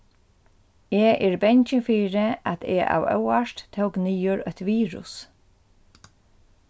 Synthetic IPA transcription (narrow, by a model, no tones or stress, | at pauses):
eːʔɛɹbɛɲt͡ʃɪfiːɹɪat̪ʰeʔa̰wœ̰waʂt̪t̪ʰəwkniːʊɹœt̪ʋiːɹʊ̰s